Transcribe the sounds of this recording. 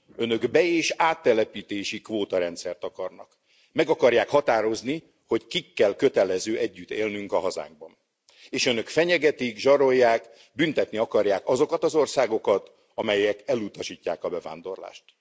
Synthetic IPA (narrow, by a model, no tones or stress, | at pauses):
ø̞nø̞ɡbɛeːʃaːt̪ːɛlɛpiːt̪eːʃikʋoːt̪ɒɾɛnt̪sɛrt̪ɒkɒrnɒ̰k | mɛɡɒkɒrjaːkhɒt̪aːɾo̞zni | ho̞ckikːɛlkø̞t̪ɛlɛzøːʔɛɟːyt̪ːḛːlnyŋkɒɦɒza̰ːŋɡ̚bɒn | eːʃø̞nø̞kfɛɲɛɡɛt̪iɡʒɒɾo̞jːaːk | bynt̪ɛt̪niɒkɒrjaːkɒzo̞kɒt̪ɒzo̞rsaːɡo̞kɒt̪ | ɒmɛjɛkɛlut̪ɒʃiːcːaːkɒbɛva̰ːnd̪o̞̰rla̰ːʃt̪